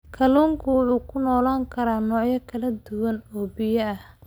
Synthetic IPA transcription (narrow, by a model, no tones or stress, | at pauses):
kʰɐluːŋkʰʊwʊħuːkʰʊnɔːlaːŋkʰɐɾaːnɔːʕjɐkʰɐlɐd̪ʊwɐnɔːbɪjɐɐh